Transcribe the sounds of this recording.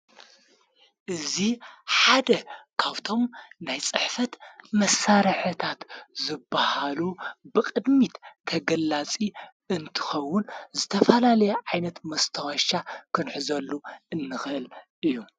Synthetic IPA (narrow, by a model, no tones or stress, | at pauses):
ʔɨziħad̪ɐkʰaβt̪ʰo̞mnajt͡sʼɨħfɐt̪mɐsaɾħɨt̪ʰat̪zɨbːahalubɨkʼɨd̪mit̪t̪ʰɐɡɐlːat͡sʼi | ɨnt̪ʰɨ̥xɐwːʊnzɨt̪ʰɐfɐlalɐjɛʕajnɐt̪mɐst̪ʰɐxɐʃakʰɨnħɨzɐlːuʔɨnːɨxɨʔɨlʔɨjːu